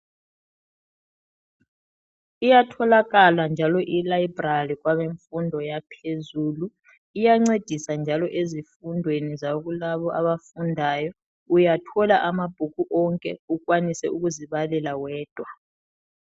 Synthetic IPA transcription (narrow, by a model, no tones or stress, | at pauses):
ijatʰɔlaɣaland͡ʒʱalɔʔilaibralik̬waβeɱfundʱɔjapʰezuːlu | ijaŋ͡ǀed̥ʱisand͡ʒʱalɔʔezifundʱwenizaoɣ̬ulaβɔʔaβafundʱajɔ | ujatʰɔlaʔamab̥ʱukuʔɔŋkʼɛuk̬ʼwanisɛuɣuziβalɛlawɛːd̥ʱwa